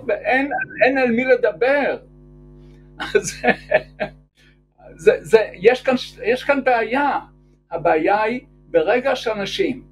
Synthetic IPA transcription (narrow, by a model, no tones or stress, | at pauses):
veʔenenelmiled̪abeʁ | ʔaze | zezejeʃkanʃjeʃkanbeaja | abeːjai | beʁeɡaʃelanaʃim